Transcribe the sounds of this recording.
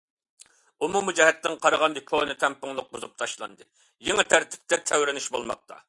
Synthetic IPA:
umumɨd͡ʒɛɦɛt̪nɪŋqʰɑɾəʁɑnd̪ɨkʰonɨt̪ʰɛmpʊŋlˠʊq̚buzup̚t̪ʰɑʃlˠɑ̰nd̪ɨ | jeŋɨt̪ʰæɾt̪ʰɪ̥p̚t̪ɛt̪ʰɛwɾɪnɪʃbolˠmɑ̰q̚t̪ʰɑ̰

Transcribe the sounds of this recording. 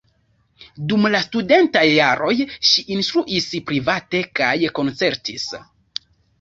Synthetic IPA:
dumlastude̞ntajːaɾo̞jʃiʔinst̪ɾuʔispɾivate̞kajko̞nt͡se̞ɾtis

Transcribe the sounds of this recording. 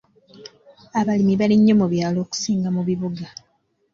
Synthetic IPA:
aβalimiβaliɲːo̞muβjaːlo̞ːku̥siːŋɡamuβiβuɡa

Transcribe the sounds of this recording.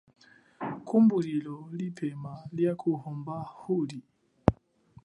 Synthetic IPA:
kʰumbulilɔlipʰɛmaljakʰuhɔmbahuli

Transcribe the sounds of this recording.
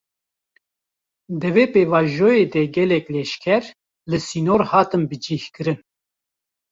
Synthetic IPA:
d̪ɨveːpeːvɑːʒoːjeːd̪ɛɡɛlɛklɛʃkʰɛɾ | lɨsiːnoːɾhɑːt̪ɨnbɨd͡ʒihkɨɾɨn

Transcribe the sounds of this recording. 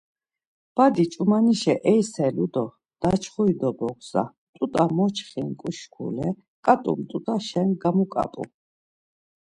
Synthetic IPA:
b̥ad̪it͡ʃʼumaniʃɛʔɛjsɛlud̪ɔ | d̪̥at͡ʃʰχuid̪ɔbɔkʰsa̰ | t̪ʼut̪ʼamɔt͡ʃʰχinkʼuʃkʰṵlɛ | kʼat̪ʼṵmt̪ʼut̪ʼaʃɛnɡamukʼa̰pʼṵ

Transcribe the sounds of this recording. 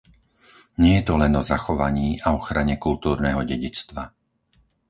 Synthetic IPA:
ɲɪɛjɛt̪ɔlɛnɔzaxɔʋaɲiːʔaɔxɾaɲɛkult̪uːɾnɛːɦɔɟɛɟit͡st̪ʋa

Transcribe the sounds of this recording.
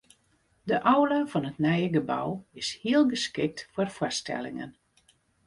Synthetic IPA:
dəʔɔwlavɔnətnɛjəɡəba̰wɪshiəlˠɡəskɪk̚tfwɔrfwɔstʰɛ̰lɪ̰ŋə̰n

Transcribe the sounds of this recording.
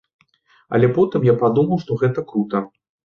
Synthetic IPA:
ɐ̰lʲɛpɔt̪ɨmjapad̪umɐwʂt̪ɔɣɛt̪ɐkɾut̪ɐ

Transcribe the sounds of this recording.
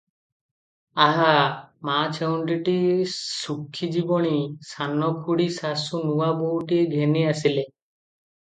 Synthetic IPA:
aɦamat͡ʃʰewɳʈiʈisukʰːid͡ʒibɔɽ̃isanɔkʰuɽisasunuwaboɦuʈieɡʱeniasile

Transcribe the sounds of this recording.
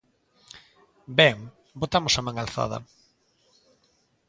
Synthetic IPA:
bɛŋ | bot̪amʊsamãŋalθa̰ð̞ɐ̰

